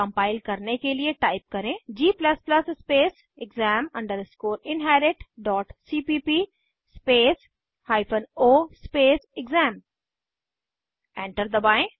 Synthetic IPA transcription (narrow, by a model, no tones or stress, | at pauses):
ə̃mpaːɪlkɐɾnekelieʈaːɪp̚kɐɾẽd͡ʒiːplɐsplɐsspeːs | ɪɡzɛ̃ːmɐ̃ɳɖəɾskoːɾɪ̃nɦɛːɾɪʈɖɔːʈsiːpiːpiː | speːs | haːɪpʰənoːspeːsɪɡzɛ̃ːm | ɛ̃ːɳʈəɾd̪əbãːɪ̃